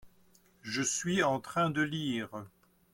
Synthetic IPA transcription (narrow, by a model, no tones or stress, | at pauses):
ʒəsɥiɑ̃t̪χɛ̃d̪əliːʁ